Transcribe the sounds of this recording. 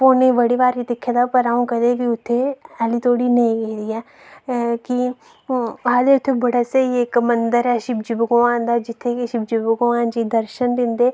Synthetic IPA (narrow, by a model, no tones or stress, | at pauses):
poːneʋəɽiʋaːɾit̪ekʰːjad̪apəɾaːũkəd̪ekiʊt̪ʰːeɛːlit̪oːɽinɐĩɡeid̪iːɛː | ki | aːd̪eʊt̪ʰːebəɽasaieːkmənd̪əɾɛːʃɪb̚d͡ʒɪbɡʊʋãːnd̪aːd͡ʒɪt̪ʰːekiʃɪb̚d͡ʒɪbɡʊʋãːnd͡ʒid̪əɾʃənb̪ɪ̃nd̪eː